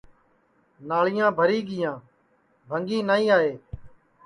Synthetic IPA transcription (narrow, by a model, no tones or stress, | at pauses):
naːɭɪjãːbʱəɾiːɠɪjãː | bʱəŋɡiːnaːĩːaːeː